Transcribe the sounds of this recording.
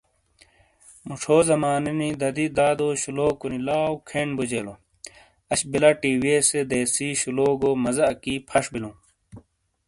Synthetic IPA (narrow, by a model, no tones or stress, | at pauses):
muʈ͡ʂʰoːzɐmaːninid̪ɐd̪id̪aːd̪oːɕuloːkunilaːwkʰeɳbud͡ʑeːlo | ɐɕbilɐʈiːweːsed̪eːsiːɕuloːɡoːmɐzɐɐkiːpʰɐʂbilũː